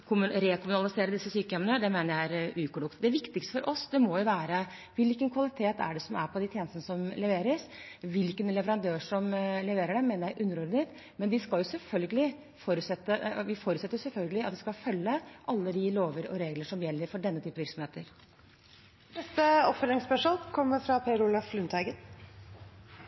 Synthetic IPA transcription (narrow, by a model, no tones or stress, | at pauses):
kʰʊmɾɛkʊmʉnɑlɪseːɾəd̪ɪsːəsyːkəɛmnəd̪ɛmeːnəɾjæɪæɾʉːkʊlʊkt̪d̪ɛæɾʋɪkt̪ɪkst̪əfɔɾʔɔsd̪ɛmɔjʊʋæːɾə | ʋɪlkənkʰʋɑlɪt̪ʰeːt̪æ̰ɖɛsɔmæɾpʰɔd̪ɪt̪ʰjeːnəst̪nəsɔmlɛʋeːɾəsʋɪlkənlɛʋəɾɑnd̪øːʂɔmlɛʋeːɾəɖɛmeːnəɾjæɪʔʉnːəɾɔɖɪnet̪ | mɛnd̪ɪskɑljʊsɛlfœlɡəlɪ | fɔɾʉsɛt̪ːəʋɪfoːɾʉt̪sɛt̪əɾʊsɛlfœlɡəlɪɑt̪̚d̪ɪskɑfœlːəʔɑlːəd̪ɪloːʋəɾɔ̰ɾeːɡləʂɔmjɛlːəɾfɔɖɛnːət̪ʰyːpəʋɪɾksɔmheːt̪əɾ | nɛst̪əɔpfœlɾɪŋspœʂmolkʰɔmːəɾfɾɑpʰeɾulɑflʉnt̪ʰæɪɡən